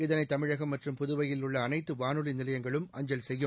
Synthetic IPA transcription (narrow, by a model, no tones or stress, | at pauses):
ɪðɐnɐɪt̪ːɐmɪɻɐɣɐmːɐʈrɯmpʊðʊʋɐjɪlʊɭːɐːnɐɪt̪ːɯʋaːnɯlinɪlɐjɐŋɡɐɭɯmʔɐɲd͡ʒɐlsɛjːɯ